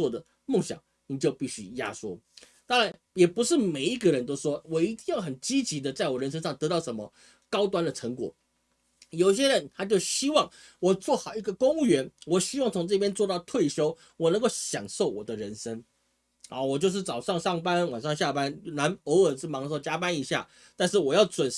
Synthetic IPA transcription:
wɔ˥˩d̪ə˩ | mo˥˩ŋɕjɑ̰˨˩˦ŋ | ni˨˩t͡ɕjo˥˧ʊpi˥˩ɕy˥ja̰˥ʂwɔ̰˥ | t̪ɑ˥ŋɻa˧˦n | jɛ˨˩pu˧˦ʂɻ̩˥˩me˨˩ɪi˧˥ɡə˨ɻə˧˦nt̪o˥ʊʂwɔ˥wɔ˨˩i˧˥t̪i˥˧ŋjɑ˥˩ʊxə˨˩nt͡ɕi˥t͡ɕi˧˥d̪ə˨t͡sa˥˩ɪwɔ˨˩ɻə˧˥nʂ̬ə˥ŋʂɑ˥˩ŋt̪ɤ˧˥˦t̪ɑ˥˩ʊʂə˧˥nmə˧ | kɑ˥ʊt̪̬wa˥nd̪ə˨ʈ͡ʂʰə˧˥ŋkwɔ̰˨˩˦ | jo˨˩ʊi˥ɕ̬jɛ˥ɻə˧˦nt̪ʰa˥t͡ɕjo˥˩ʊɕi˥wɑ˥˩ŋ | wɔ˨˩t͡swɔ˥˩xɑ˨˩ʊi˧˥ɡə˧˨kʊ˥ŋu˥˨˩ɥɛ˧˥nwɔ˨˩ɕi˥wɑ˥˩ŋt͡sʰʊ˧˥ŋʈ͡ʂɤ˥˧˩pʰjɛ˥nt͡swɔ˥˧t̪ɑ˥˨˧ʊt̪ʰwe˥˩ɪɕjo˥ʊ | wɔ˨˩nə˧ŋko˥˩ʊɕjɑ̰˨˩ŋʂo˥˩ʊwɔ˨˩d̪ə˦ɻə˧˥nʂə˥ŋ˧˩ | wɔ˨˩t͡ɕjo˥˧ʂɻ̩˥˩t͡sɑ˨˩ʊʂɑ˥˧ŋʂɑ˥˩ŋpa˦nwa˨˩nʂɑ˥˧ŋɕja˥˩pa˦nna˧˥nə˧˥ʊə˨˩ʂɻ̩˥˩mɑ˧˥ŋə˧˩ʂt͡ɕja˥pa˦ni˨˥ɕja̰˥˩ | t̪a˥˧nʂɻ̩˥˩wɔ˨˩jɑ˥˩ʊt͡swə˨˩n˥

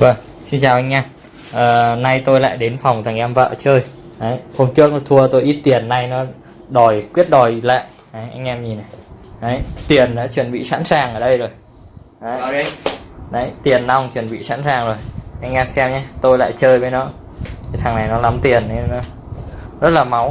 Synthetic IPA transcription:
vəː˨˩ŋ | si˧nt͡ɕaː˨˩wʔa˧jŋ̟ɲaː˧ | ʔəː˨˩na˧jt̪o˧jla̰ː˧˨jɗe˨˦nfa˨˩wŋ͡mt̪ʰa˨˩ŋʔɛ˧mvə̰ː˧˨t͡ɕəː˧j | ʔə˨˦jho˧ŋ͡mt͡ɕɨ˦˥ək̚nɔ˨˦˩t̪ʰu˧ət̪o˧jʔi˦˥t̚t̪i˨˩ənːa˧jnɔ˨˦ | ɗɔ˨˩jkwi˦˥ət̚ɗɔ˨˩jla̰ː˧˨j | ʔə˨˦jʔa˧ŋ̟ʔɛ˧mɲi˨˩na˨˩jʔə˨˦jt̪i˨˩ənɗa̰ː˧˥t͡ɕwə˨˩nɓḭ˧˨sa̰ː˧˥nsaː˨˩ŋʔəː˨˩ɗə˧jzo˨˩j | ʔə˨˦j | na˨˦jt̪i˨˩ənːa˧wŋ͡mt͡ɕwə˨˩nɓḭ˧˨sa̰ː˧˥nsaː˨˩ŋzo˨˩jʔa˧jŋ̟ʔɛː˧msɛ˧mɲaː˧t̪o˧jla̰ː˧˨jt͡ɕəː˧jɓə˨˦nɔ̰˧˥ | t̪ʰi˨˩t̪ʰaː˨˩ŋna˨˩jnɔ˨˦la˨˦mt̪i˨˩ənːeː˨˧ɔ˨˦ | zə˦˥t̚laː˨˩ma˨˦w

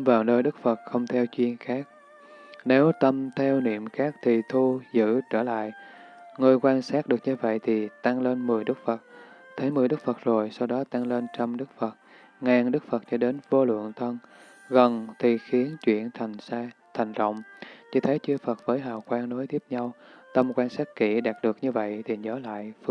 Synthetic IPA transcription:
vaː˨˩wnəː˧jɗɨ˦˥k̚fə˨˩t̚xə˧wŋ͡mt̪ʰɛ˧wt͡ɕwi˧ənxaː˦˥k̚ | ne˨˦wt̪ə˧mt̪ʰɛ˧wnḭ˧˨əmxaː˦˥k̚t̪ʰi˨˩t̪ʰu˧zɨ̰˧˥t͡ɕəː˧˩la̰ː˧˨jʔ | ŋɨ˧əjkwaː˧nsaː˦˥t̚ɗɨ˨˩ək̚ɲɨ˧və̰˧˨jt̪ʰi˨˩t̪a˧ŋle˧nmɨ˨˩əjɗɨ˦˥k̚fə˨˩t̚t̪ʰe˨˦jmɨ˨˩əjɗɨ˦˥k̚fə˨˩t̚zo˨˩jsa˧wɗɔ˨˦t̪a˧ŋle˧nt͡ɕə˧mɗɨ˦˥k̚fə˨˩t̚ | ŋaː˨˩ŋɗɨ˦˥k̚fə˨˩t̚t͡ɕɔ˧˩ɗe˨˦nvo˧lwə̰˧˨əŋt̪ʰə˧n | ɣə˨˩nt̪ʰi˨˩xi˨˦ənt͡ɕwḭ˧˨ənt̪ʰt̪ʰa˨˩jŋ̟zə̰˧˨wŋ͡mt͡ɕi˧t̪ʰe˨˦t͡ɕɨ˧əfə˨˩t̚vəː˨˦jɦa̰ː˧˨˩wkwaː˧ŋno˨˦jt̪ʰi˦˥əp̚ɲa˧wt̪ə˧mkwaː˧nsaː˦˥t̚kḭ˧˩ɗaː˨˩t̚ɗɨ˨˩ək̚ɲɨ˧və̰˧˨jt̪ʰi˨˩ɲəː˨˦la̰ː˧˨jf

